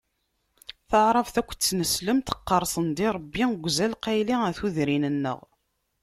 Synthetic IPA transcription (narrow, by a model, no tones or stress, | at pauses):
θəʕɾˤəvθækʷːt͡sːnəsləmt̪ə̥qːəɾˤsˤənd̪iɾˤəbːiɡʷzælqæjliæθuðɾinənːə̰ʁ